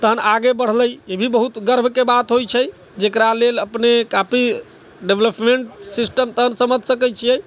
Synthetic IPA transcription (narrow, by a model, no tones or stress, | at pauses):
t̪əɦənaɡebəɽ̤ləjebʱibəɦut̪ɡəɾbʱkebat̪ɦojt͡ʃʰəj | d͡ʒekɾaleləpnekapi | ɖebləpmeɳʈsisʈəmt̪əɦənsəməd̪ʱsəkəjt͡ʃʰijɛj